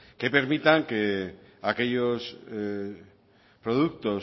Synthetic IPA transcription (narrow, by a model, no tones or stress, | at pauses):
kepe̞ɾmit̪aŋke | ake̞ʎos | pɾoðuk̚t̪o